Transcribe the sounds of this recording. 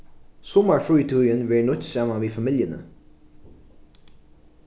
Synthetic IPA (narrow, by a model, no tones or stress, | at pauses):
sɔməɹfɹʉːt̪ʰʉːjənʋæːɹɳɔt̪sɑmaʋiːfɑmɪljənə̰